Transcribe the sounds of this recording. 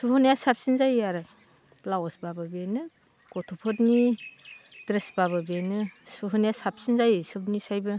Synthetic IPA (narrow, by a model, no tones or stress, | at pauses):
suɦunjasapsinzajaɾɯ | lawɔsbabɯbenɯ | kɔtʰupʰɔtni | dɾesbaβɯbenɯsuɦunjasap̚sinzajsɯp̚nisajbɯ